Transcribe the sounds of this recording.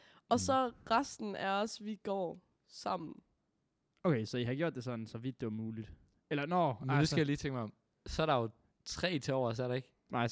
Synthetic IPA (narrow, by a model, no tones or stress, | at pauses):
ɒ̽sɒʁasd̥n̩æɐɒ̽sʋiɡ̥ɒ̰ː | sɑ̈m̰n̩ | oʊkesɒ̽ihɑ̈ɡ̥jo̝̰d̥ːe̝sɒ̽d̥n̩sɒ̽ʋid̥ːe̝ʋɑ̈muːlid̥ | elɐnɒmndusɡ̥æjaliːt͡sʰeŋɡ̥maɒm | sɒæɐɾɑ̈jo | t͡sʰʁɛ̰ːt͡sʰe̝ɒʊ̰ɐs̬ɔæɐɾɑ̈e̝ɡ̥ | nʔɑ̈ɪ̰